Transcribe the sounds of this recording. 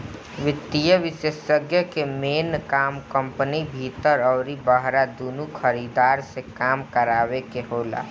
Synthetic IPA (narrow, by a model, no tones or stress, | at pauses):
ʋɪt̪ːijəʋɪʃeːssəɡjəkemeːnkaːmkə̃mpənibʱit̪əɾɔːɾibəɦɾad̪uːnukʰəɾid̪aːɾsekaːmkəɾaːʋekeɦoːla̰ː